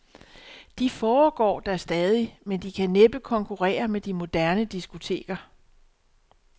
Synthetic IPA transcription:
d̥ifɒːɡ̥ɒ̰ːd̥æsd̥ɛːð̞ˠimend̥ikʰæneb̥əkʰɒ̽ŋkʰuʁɛ̰ːɐmed̥imo̝d̥æɐnəd̥isɡ̥o̝t͡sʰe̝̰ːɡ̥ɐ

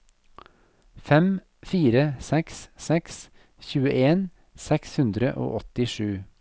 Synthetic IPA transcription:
fɛm | fiːɾəsɛkssɛks | çʉːəʔeːn | sɛkshʉnd̪ɾəʔo̰ːʔɔt̪ɪʃʉː

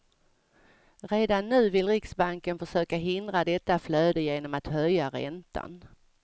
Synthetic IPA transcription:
ɾeːd̪anːʉ̟ːvɪlɾɪksbaŋkənfœʂøːkaɦɪnd̪ɾad̪ɛt̪ːafløːd̪əjeːnɔmat̪hœjːaɾɛ̰nt̪ʰa̰n

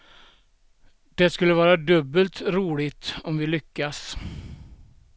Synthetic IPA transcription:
d̪̥ɛskɵlːəvɑːɾad̪ɵbːəlt̪ɾuːlɪt̪ɔmvɪlʏkːas

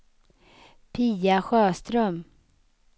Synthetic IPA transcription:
pʰiːaɧœːʂt̪ɾœm

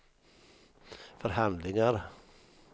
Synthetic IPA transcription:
fɔɾhand̪lɪŋəɾ

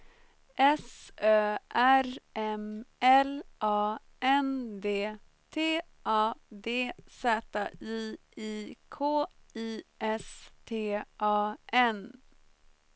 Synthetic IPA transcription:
ʔɛsøːʔæɾɛmɛlʔɑː | ɛnd̪eː | t̪ʰeː | ʔɑːd̪eːsɛːt̪aiː | iːkʰoːiːɛst̪ʰeːʔɑːʔɛn

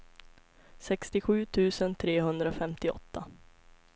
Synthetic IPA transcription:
sɛkst̪ɪɧʉ̟ːt̪ʰʉ̟ːsənt̪ʰɾeːɦɵnd̪ɾafɛmt̪ɪɔ̰t̪ːa

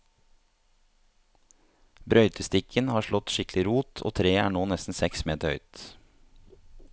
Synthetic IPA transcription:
bɾœʏt̪ʰəst̪ɪkʰənhɑːʃɭɔt̪ʃɪklɪɾuːt̪ʰʔo̰ːt̪ʰɾeːæːɳoːnɛst̪n̩sɛksmeːt̪əœ̰ʏt̪

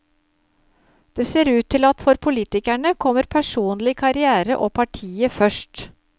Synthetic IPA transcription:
d̪̥eːseːɾʉːt̪ʰːɪlɑt̪fɔɾpʰʊliːt̪ɪkæɳəkʰɔməɾpʰæʂuːnlɪkʰɑɾɪæːɾə̰ʔoːpʰɑʈʰiːəfœʂʈ

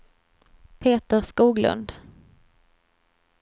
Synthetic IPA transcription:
pʰeːt̪əɾskuːɡlɵ̰nd̪

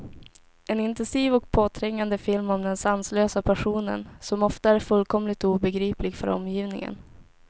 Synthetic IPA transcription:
ɛnɪnt̪ɛnsiːvɔk̚pʰoːt̪ʰɾɛŋːand̪əfɪlmɔmd̪ɛnsansløːsapʰæʂuːnə̰nsɔmɔft̪aæɾfɵlkʰɔmlɪt̪uːbɛɡɾiːplɪɡfœ̰ɾɔ̰mːjiːvnɪŋə̰n

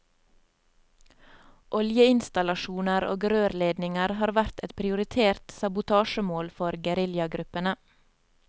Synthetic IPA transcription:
ʔɔljəɪnst̪ɑlɑʃuːnəɾo̰ːɡɾøːɾleːd̪nɪŋəɾhɑːɾʋæɾt̪ɛt̪pʰɾɪʊɾɪt̪ʰeːɾt̪sɑbʊt̪ʰɑːʃəmoːlfɔɾɡəɾɪljɑɡɾʉpənə

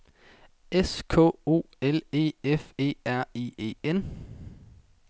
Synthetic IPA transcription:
ʔeskʰo̰ːo̝̰ːele̝̰ːefe̝̰ːæɐ̰iːe̝̰ːen

